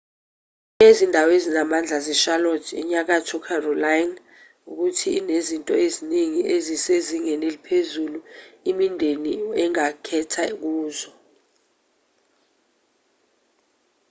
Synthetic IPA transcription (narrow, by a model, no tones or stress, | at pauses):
ezindʱawezinamand͡ɮʱazɛʃalɔtʰɛ̰ɲak̬atʰɔkʰarɔlajn | uk̬utʰinezintʼɔ̰eziniŋiʔeziseziŋɛnelipʰezuluimindʱeniɛŋakʰɛtʰak̬uːzɔ